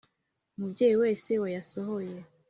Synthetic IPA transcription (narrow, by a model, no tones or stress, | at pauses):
mubɟeːjiwe̞ːse̞wajasoɦoje